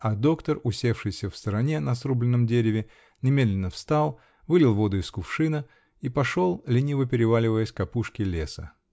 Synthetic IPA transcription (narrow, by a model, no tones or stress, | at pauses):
ɐd̪o̞kt̪ərʊsʲe̞fʂɨjsʲəfst̪əɾɐnʲenɐsɾublʲɪnːəmdʲeɾʲɪvʲɪ | nʲɪmʲe̞d̪lʲɪnːəfst̪alˠ | vɨlʲɪlˠvo̞d̪ʊɪskʊfʂɨnə | ipɐʂolˠlʲɪnʲivəpʲɪɾʲɪvalʲɪvəjəsʲkɐpuʂkʲɪlʲe̞sə